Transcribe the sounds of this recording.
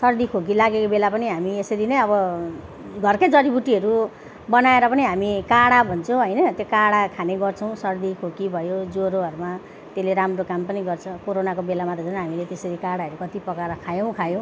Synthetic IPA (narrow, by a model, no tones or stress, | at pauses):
sʌrd̪ikʰok̬ilaɡekobelapʌniɦamiesʌɾinʌjʌbʌ | ɡʱʌrkʌjd͡zʌɽibuʈiɦʌɾu | bʌnaeɾʌpʌniɦamikaɽabʱʌnt͡sʰõɦʌjnʌt̪jokaɽakʰaneɡʌrt͡sʰʌw̃sʌrd̪ikʰokibʱʌjod͡zoɾoɦʌɾuma | t̪eleɾamrokampʌniɡʌrt͡sʰʌkoɾonakobelamat̪ed͡zʌnɦamilet̪esʌɾikaɽaɦʌɾukʌt̪ipʌkaɾʌkʰajõw̃kʰajõ